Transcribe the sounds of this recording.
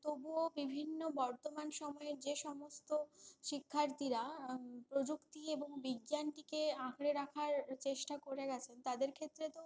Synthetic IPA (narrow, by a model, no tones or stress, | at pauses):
t̪obuobibʱinːobɔɾt̪omanʃɔmɔeɾd͡ʑeʃɔmost̪oʃikʰːaɾt̪iɾapɾod͡ʑukt̪ieboŋbiɡjanʈikeãkʰɽeɾakʰaɾt͡ɕeʃʈakoɾeɡɛt͡ɕʰent̪ad̪eɾkʰet̪ːɾet̪o